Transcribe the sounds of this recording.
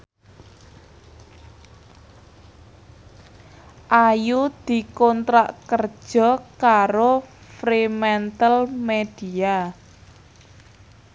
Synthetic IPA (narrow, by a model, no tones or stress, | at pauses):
ʔajud̪̥i̤kɔnt̪ɾa̰ʔkər̥ʒ̥ɔ̤kaɾofɾimɛnt̪əlmed̪̥ia